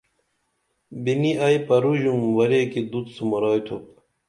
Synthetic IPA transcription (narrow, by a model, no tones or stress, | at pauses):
biniajpɐɾuʑumwɐɾeːkid̪ut̪sumoɾaːjt̪ʰup̚